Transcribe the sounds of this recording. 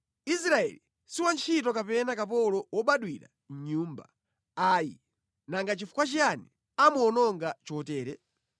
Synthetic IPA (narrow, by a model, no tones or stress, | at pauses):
isɾaɛ̰li | siwant͡ʃʰitɔkapɛnakapɔlɔwɔɓaɗwiɾa̰ | nɲuːmba̰ | aji | naŋɡat͡ʃifu̥kwat͡ʃiani | amɔnɔŋɡat͡ʃɔtɛːɾɛ